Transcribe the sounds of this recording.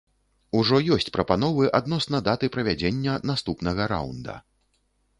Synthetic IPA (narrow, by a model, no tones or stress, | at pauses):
uʐɔjɔsʲt͡sʲpɾɐpanɔvɨʔad̪nɔsnɐd̪at̪ɨpɾɐvʲad͡zʲenʲːɐnast̪upnɐɣɐɾa̰wnd̪ɐ̰